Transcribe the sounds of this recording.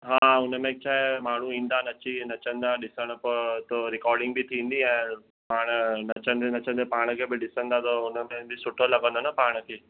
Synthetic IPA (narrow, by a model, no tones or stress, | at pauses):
ɦaːʊnəmẽkt͡ɕaːɦemaːɳ̤ũĩːn̆d̪anɐt͡ɕinɐt͡ɕə̃nd̪aɗɪsəɽ̃əpət̪oɾɪkɔːɾɖɪ̃ŋɡ̚bʱit̪ʰĩːn̆d̪iɛ̃ː | paːɽ̃nɐt͡ɕə̃nd̪enɐt͡ɕə̃nd̪epaːɽ̃əkʰebɪɗɪsə̃nd̪at̪ɔʊnəmẽbʱɪsʊʈʰolɐɡə̃nd̪onapaːɽ̃əkʰeː